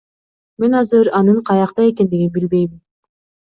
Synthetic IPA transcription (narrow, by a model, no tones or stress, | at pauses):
me̞nɑzɯɾɑnɯɴqʰɑjɑqt̪ɑje̞ke̞nd̪iɡinbilbe̞jmin